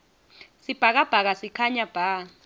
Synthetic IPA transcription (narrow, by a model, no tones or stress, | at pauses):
sib̥ʱak̬ab̥ʱak̬asikʰaɲab̥ʱaː